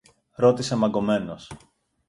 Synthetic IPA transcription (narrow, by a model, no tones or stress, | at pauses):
ɾo̞t̪isemɐɡo̞me̞nos